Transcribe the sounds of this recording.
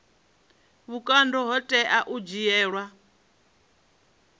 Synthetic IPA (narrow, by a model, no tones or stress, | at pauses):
βukʼandɔɦɔtʼɛʔaʔud͡ʒijɛːɺwa